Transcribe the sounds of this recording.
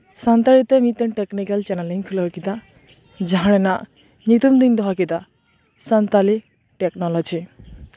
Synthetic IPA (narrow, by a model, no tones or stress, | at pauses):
sant̪alit̪ɛmit̪ɛntɛknikalt͡ʃɛnɛliŋkʰulɔɹkit̪a | zaɦanɛna | nit̪umd̪ind̪ɔɦakit̪a | sant̪ali | tɛknɔlɔd͡ʒi